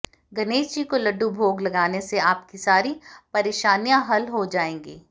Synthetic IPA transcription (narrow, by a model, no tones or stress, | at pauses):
ɡɐneːd͡ʒikolɐɖːubʱoːɡlɐɡaːneseaːp̚kisaːɾipɐɾeːʃaːnijaɦɐlɦod͡ʒaːẽːŋɡiː